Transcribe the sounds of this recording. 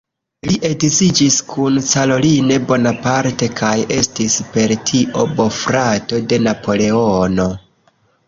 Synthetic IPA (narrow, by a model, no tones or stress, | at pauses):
liʔe̞ɡzid͡ʒiskʰunsalo̞line̞bo̞napaɾte̞kʰaje̞stispe̞ɾtʰiʔo̞bo̞fɾato̞de̞napo̞le̞o̞no̞